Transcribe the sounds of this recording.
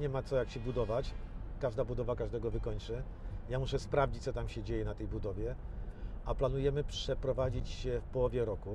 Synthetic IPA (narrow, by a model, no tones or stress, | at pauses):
ɲɛmat̪sɔjakɕɛbud̪ɔvat͡ɕkaʐd̪abud̪ɔvakaʐd̪ɛɡɔvɘkɔɲt͡ʂɘ | jamuʂɛspɾavd͡ʑit͡ɕ̚t̪ɔt̪amɕɛd͡ʑejɛnat̪ɛjbud̪ɔvʲjɛ | ʔaplan̪ujɛmɘpʂɛpɾɔvad͡ʑit͡ɕɕɛfpɔwɔvʲjɛɾɔku